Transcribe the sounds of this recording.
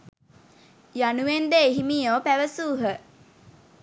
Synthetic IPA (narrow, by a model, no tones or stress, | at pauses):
januʋend̪eeɦimiːoːpæʋəsuːɦə